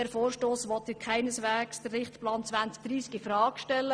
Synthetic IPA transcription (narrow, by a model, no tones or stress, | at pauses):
ɛɾfoːɾʃtoːsʋɔt̪ɪkʰaɪnəsʋæːksd̥ərːɪχtplɑːnt͡sʋænt͡sk̚d̥̪ɾiːsɡifɾɑːɡ̥ʃtɛlːə